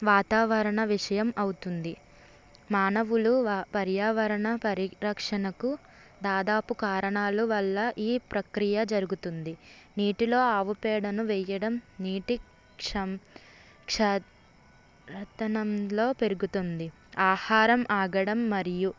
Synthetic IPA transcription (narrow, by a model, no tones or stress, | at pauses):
ʋaːt̪aːʋɐɾɐɳɐʋiʂɐjɐmɐwut̪und̪i | maːnɐʋulupɐɾjaːʋɐɾɐɳɐpɐɾiɾɐkʂɐnɐku | d̪aːd̪aːpukaːɾɐɳaːluʋɐlːɐʔiːpɾɐkɾijɐd͡ʒɐɾuɡut̪und̪iniːʈilo̞ːaːʋupɛːɽɐnuʋɛːjɐɽɐmniːʈi | kʂɐ | kʂɛ | ɾɐt̪ɐnɐmlo̞ːpe̞ɾuɡut̪und̪i | aːhaːɾɐmʔaːɡɐɽɐmːɐɾiju